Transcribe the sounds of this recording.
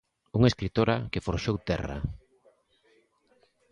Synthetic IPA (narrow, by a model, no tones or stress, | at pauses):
uŋeskɾit̪oɾakɪfoɾʃowt̪ɛra̰